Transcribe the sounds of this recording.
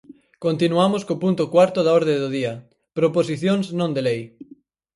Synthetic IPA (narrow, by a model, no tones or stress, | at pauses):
kont̪inuamoskopunt̪ʊkwaɾt̪ʊðaɔɾðẽnd̪oð̞iɐ | pɾoposiθjoŋsnõnd̪elej